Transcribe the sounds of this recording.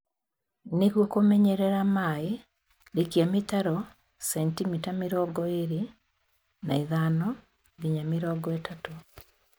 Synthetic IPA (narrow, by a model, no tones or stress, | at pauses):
neɣwokomɛɲɛɾɛɾamae | ɾikjamitaɾɔ | sɛntimitamiɾɔɡɔeɾi | naiðaːnɔ | ɡiɲamiɾɔɡɔetato